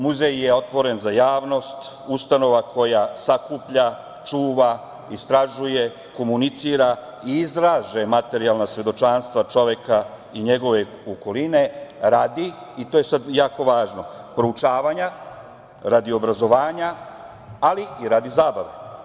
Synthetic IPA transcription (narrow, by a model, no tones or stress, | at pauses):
muzejje̞o̞t̪ʋo̞ɾe̞nzajaːʋno̞st̪ | ust̪ano̞ʋakʰo̞jasakuːpʎa | t͡ʃuːʋa | ist̪ɾaʒuje̞ | ko̞munit̪siːɾa | iizɾaːʒe̞mat̪e̞ɾialnasʋe̞d̪o̞t͡ʃaːnst̪ʋat͡ʃo̞ʋje̞ka | iɲe̞ɡo̞ʋe̞ | oko̞line̞ɾaːd̪i | it̪oje̞sad̪jaːko̞ʋaːʒno̞ | pɾout͡ʃaːʋaːɲa | ɾad̪io̞bɾazo̞ʋaːɲa | aliiɾaːd̪izaːbaʋe